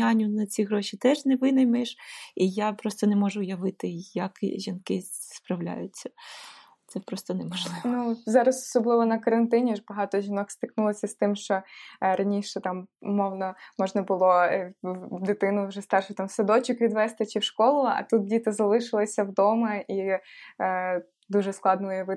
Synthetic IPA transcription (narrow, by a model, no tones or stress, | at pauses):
anʲːʊnɐt͡sʲiɦɾɔʃit̪ɛʒnɛʋɪnɐjmɛʃijapɾɔst̪ɔnɛmɔʒʊjɐʋɪt̪ɪjɐkʒʲinkɪspɾɐwlʲa̰jʊt͡sʲːɐ̥ | t̪sɛpɾɔst̪ɔnɛmɔʒlˠɪnuzɑɾɐsɔ̥sɔblˠɪʋɔnɐkɐɾɐnt̪ɪnʲiɔʒbɐɦɑt̪ɔʒʲinɔkst̪ʲɪknulˠɔsʲɐst̪ɪmʃt͡ʃɔɾɐnʲiʃɛt̪ɑmmɔwnɔmɔʒnɐbʊlˠɔ | d̪ɪt̪ɪnʊʒɛst̪ɑrʃʊt̪ɑmsɐd̪ɔt͡ʃʊkʋʲid̪ʋɛst̪ɪt͡ʃiwʃkɔlˠʊɐ̰t̪ut̪̚dʲit̪ɪzɐlˠɪʃɪlˠɪsʲɐwd̪ɔmɐʔi | d̪uʒɛsklˠɑd̪nɔʊjɐʋɪ